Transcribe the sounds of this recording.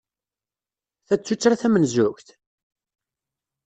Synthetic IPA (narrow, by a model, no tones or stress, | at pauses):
θæt͡sːut͡sːɾæθæmənzʊçθ